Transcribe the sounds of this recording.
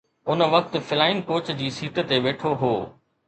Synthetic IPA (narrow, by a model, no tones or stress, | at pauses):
ʊnəʋɐk̚t̪̆fɪlaːɪnkoːt͡ɕd͡ʑiːsiːt̪t̪eʋeːʈʰoɦoː